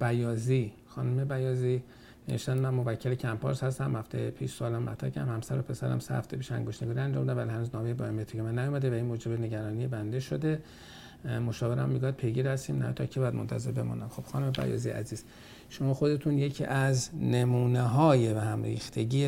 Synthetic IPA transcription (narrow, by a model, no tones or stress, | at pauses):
b̥æjɒːzi | xɒːnume̞bæjɒːziː | ne̞veʃt̪ænd̪mænmo̞væcʰːe̞lecʰæmpʰɒ̰ːɾshæst̪æmhæft̪ḛjepʰiʃsoːlæmmæ̰t̪ʰɾæ̰kʰæ̰mhæmsæɾopʰe̞sæɾæ̰msæ̰æ̰ft̪epiːʃæ̰ŋɡoʃt̪neɡuːɾiænd͡ʒɒ̰mbid̪æmvælihænuːznɒːmejebɒːjemet̪ʰicʰemænːæjomæd̪evæinmoːd͡ʒe̞bene̞ɟæɾɒːniːjebænd̪e̞ʃod̪e̞ | mo̞ʃɒːve̞ɾæ̰mːiɡujæd̪̚pʰe̞jɡiɾhæst̪iːmnæ̰t̪ʰɒ̰cʰibɒːjæd̪mont̪ʰæze̞ɾbe̞mɔ̰ːnæmxo̞b̥xɒːnume̞bæ̰jɒ̰ːzijʔæ̰ziːz̥ | ʃomɒːxo̞d̪e̞t̪ʰuːnje̞cʰḭːʔæznemuːneɦɒːjevæhæmɾḭːxt̪ʰe̞ɟiːe